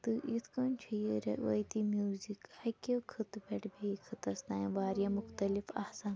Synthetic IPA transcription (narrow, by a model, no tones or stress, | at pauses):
t̪ɨʔit̪ʰkɐnt͡ʃʰujiɾɐʋɐjt̪imjuːzikajkekʰɨt̪bʲeʈʰbeikʰɨt̪ɐsnaːjʋaːɾjaːmuxt̪ɐlifɐhsaːn